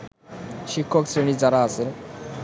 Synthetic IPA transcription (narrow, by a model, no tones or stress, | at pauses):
ʃikʰːoksɾenid͡ʑaɾaasʰe